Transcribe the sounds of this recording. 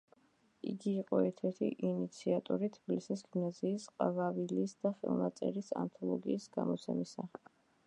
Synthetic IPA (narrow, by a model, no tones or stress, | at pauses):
iɡiːqʼɔɛɾt̪ʰɛɾt̪ʰḭʔinit̪sʰiat̪ʼɔɾit̪ʰb̥ilisisɡimnaziːsqʼavavilisd̪aχɛ̰lˠnat̪sʼɛɾisa̰nt̪ʰɔlˠɔɡiːsɡamɔt̪sʰɛmisa